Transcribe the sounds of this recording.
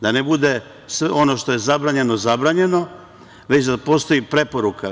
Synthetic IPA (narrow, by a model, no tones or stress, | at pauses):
d̪anebud̪e̞ | sʋeo̞no̞ʃt̪o̞je̞zabɾaːɲe̞no̞zabɾaːɲe̞no̞ | ʋe̞t͡ɕd̪apo̞st̪o̞jipɾe̞po̞ɾuka